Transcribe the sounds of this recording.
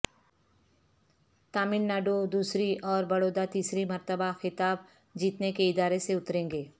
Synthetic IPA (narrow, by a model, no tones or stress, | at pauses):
t̪aːmɪnnaːɖod̪uːsɾiʔɔːɾbɐɽoːd̪at̪iːsɾimɐɾt̪əbaxɪt̪aːb̚ | d͡ʒiːt̪nekeɪd̪aːɾeseʊt̪ɾẽːŋɡeː